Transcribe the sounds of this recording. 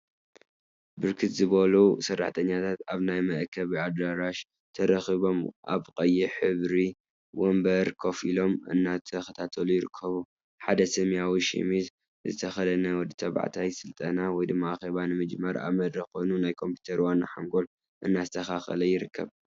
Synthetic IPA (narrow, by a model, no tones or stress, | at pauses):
bɨɾkʰɨt̪zɨβɐlusɐrːa̰ħt̪ʰɐɲːat̪ʰat̪aβnajmɐʔkʰːɐβiad̪ɾaɾaʃ | t̪ʰɐɾɐxiβo̞mʔa̰βqʼɐjːiħɨβɾi | wombɐɾkʰo̞filo̞mʔɨ̰nːat̪ʰɐxɐt̪ʰat̪ʰɐlujɪɾɨkʰːɐβu | ħad̪ɐsɐmjawiʃḭmiz | zɨt̪ʰɐxɐlɐnɐwɔd̪ːit̪ʰɐβa̰ʕt̪ʰajsɨlt̪ʼɐnawɔjd̪ɨmːaaxeβanɨmɨd͡ʒmɐɾa̰βmɐd̪ɾɐxo̞jnunajkʰo̞mpʰju̥t̪ʰɐɾwanːaħaŋɡo̞l | ʔɨnːazɨt̪ʰɐxaxɐ̰lɐjɪɾɨkʰːɐ̰β